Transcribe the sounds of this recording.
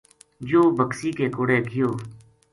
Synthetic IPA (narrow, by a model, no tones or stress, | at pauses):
d͡ʒoːbəksiːkeːkoːɽeːɡʱɪjoː